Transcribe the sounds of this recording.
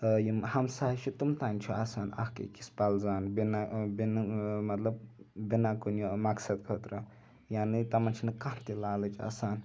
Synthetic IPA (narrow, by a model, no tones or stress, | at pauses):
jihɐmsaːɐt͡ʃʰut̪umt̪aːnʲt͡ʃʰua̰ːsaːnɐ̰hkḛkispɐlzaːnbinabinmɐt̪lɐb̚binakunjumɐksɐd̪̚kʰɐt̪ɾɐ | jaːnit̪ɐmɐnt͡ʃʰinɨkɐnt̪ilaːlɐt͡ʃʰa̰ːsaːn